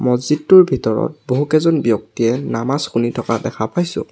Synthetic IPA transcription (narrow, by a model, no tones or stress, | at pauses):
mɔzitːuɹbʱitɔɹɔ̰t̚boɦukɛzɔnbjɔk̚tiɛnamasxunitʰɔkadɛxʰapajsʊ̰̃